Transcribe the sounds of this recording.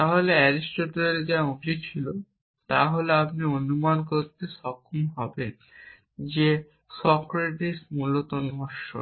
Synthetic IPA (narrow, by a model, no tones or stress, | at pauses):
t̪aɦoleɛɾisʈoʈoɾeld͡ʑaubit͡ɕʰilo | t̪aɦoleapnionumankoɾt̪eʃɔkʰːomɦɔben | d͡ʑe | sɔkɾeʈiʃmulot̪onɔʃo̰